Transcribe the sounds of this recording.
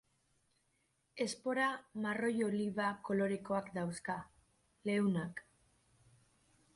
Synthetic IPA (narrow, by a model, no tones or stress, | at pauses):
e̞spo̞ɾamaro̞joliβako̞lo̞ɾe̞ko̞akd̪awska | le̞unak